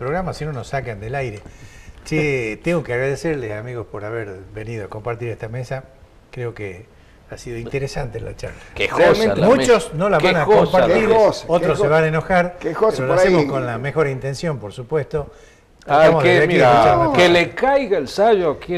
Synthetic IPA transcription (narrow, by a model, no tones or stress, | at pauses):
pɾoɣɾamasinonosakand̪elajɾet͡ʃet̪eŋɡokeaɣɾaðeseɾlesamiɣo̞spo̞ɾaβeɾβe̞niðoako̞mpaɾt̪iɾest̪amesa | kɾeo̞kḛ | asiðoint̪eɾesant̪ḛnla̰t͡ʃa̰ɾlakexomut͡ʃosno̞laββanaompaɾt̪iɾsot̪ɾoseβaneno̞xaɾoeɾolasemosko̞nlamexo̞ɾaint̪e̞nsjo̞mpoɾsupwe̞st̪o̞ | aamoðeekiot͡ʃakelekajɣaelsaʒoaki